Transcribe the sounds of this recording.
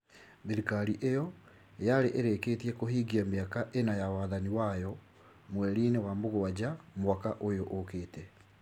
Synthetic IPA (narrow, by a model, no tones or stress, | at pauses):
biɾikaɾiʔejɔ | jaɾeʔeɾekeːtiɛkoɦiɡiameakaʔenajawaðaniwajɔ | mwɛɾiːnewamoɣoad͡ʑamwakaʔojoʔokeːtɛ